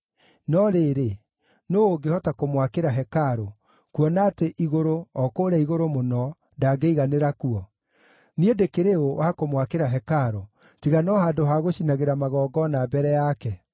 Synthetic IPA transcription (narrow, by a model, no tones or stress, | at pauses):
nɔɾeɾe | noːɡehɔtakomwakeɾaɦɛkaɾo | kuɔnaːteʔiɣoɾoɔkoːɾɛiɣoɾomonɔ | daɡeiɣaneɾakuɔ | niedekeɾeowʔakomwakeɾaɦɛkaɾo | tiɣanɔɦaːdoɦaɣoɕinaɣeɾamaɣɔːɡɔnabɛɾɛjakɛ